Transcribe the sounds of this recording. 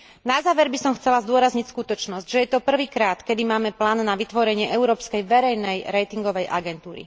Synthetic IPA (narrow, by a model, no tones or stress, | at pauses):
nazaːʋɛɾbisɔmxt͡sɛlazd̪ʊɔɾazɲicskut̪ɔt͡ʃnɔzcʒɛjɛt̪ɔpr̩ʋiːkɾaːt̪kɛd̪imaːmɛplaːnːaʋit̪ʋɔɾɛɲɪɛʔɛʊɾɔːpskɛjʋɛɾɛjnɛjɾɛjt̪iŋɡɔʋɛjʔa̰ɡɛnt̪uːɾḭ